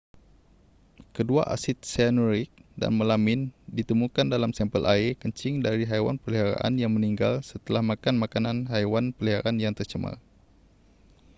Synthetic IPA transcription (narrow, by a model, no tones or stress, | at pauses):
kədua̰ʔasɪt̪̚sɛnuɾɪk̚da̰nməlamɪndit̪əmukandalamsɛmpəlʔaikəɲt͡ʃɪŋdaɾiɦajwa̰npəliɦaɾa̰ʔa̰njaŋməniŋɡalsət̪əlahmakanmakananɦajwanpəliɦaɾanjaŋt̪ərt͡ʃəma̰r